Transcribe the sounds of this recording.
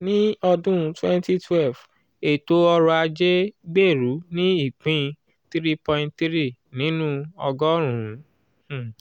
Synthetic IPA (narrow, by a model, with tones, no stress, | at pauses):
nĩ˦ɔ˧dũ˦˨twɛ̃˦nti˦twɛ˦lf | e˨to˨˦ɔ˧ɾɔ˧a˧d͡ʒe˦ɡ͡be˦˨ɾu˨˦nĩ˦i˦˨k͡pĩ˦ | t̪ɾi˦pɔ̃˧ĩ˧ntt̪ɾi˦˨nĩ˨˦nũ˦ɔ˧ɡɔ˦ɾ̃ũ˨˦˨